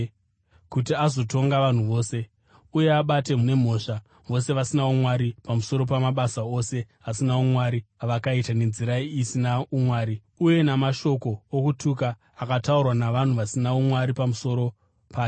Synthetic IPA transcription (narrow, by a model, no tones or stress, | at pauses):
kutiazo̞to̞ŋɡaʋan̤uʋo̞ːse̞ | uje̞aɓate̞mune̞m̤o̞ʂa | ʋo̞se̞ʋasinaomwaɾipamuso̞ɾo̞pamaɓasao̞se̞ | asinaumwaɾiaʋakaitane̞nziɾaiːsinaumwaːɾi | uje̞namaʃo̞ko̞ːkutukaː | kataurwanaʋan̤uʋasinaomwaɾipamuso̞ɾo̞ | paːj